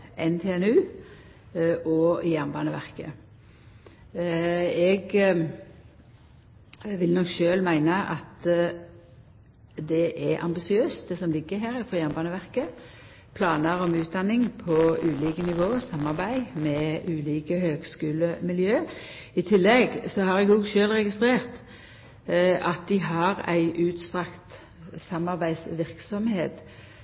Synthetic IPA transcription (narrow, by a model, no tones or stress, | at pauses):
ʔɛnt̪ʰeːɛnʉː | ʔɔjæʁmbɑːnəʋæ̰ʁkə̰ | ɛɡ | ʋɪlnɔkʃøːlmæɪnəʔɑt̪ | d̪ɛʔɛʔɑ̰mbɪsɪøːst̪̚d̪ɛsɔmlɪɡːəɦæːɾɪfɔjæʁnbɑːnəʋæʁkə | pʰlɑːnəɾɔmʉːt̪̚d̪ɑnːɪŋpʰɔʉːliːkənɪʋoːsɑmːɑʁbæɪmɛʉːliːkəhøːɡskʉːləmɪljøː | ɪt̪ʰɪlːɛɡsɔhɑɾɛɡɔɡʃøːlʁɛɡɪst̪ɾeːɾt̪ | ɑt̪̚d̪ɪɦɑʁæ̰ɪʔʉːt̪st̪ʁɑkt̪ | sɑmːɑʁbæɪsʋɪʁksɔmheːt̪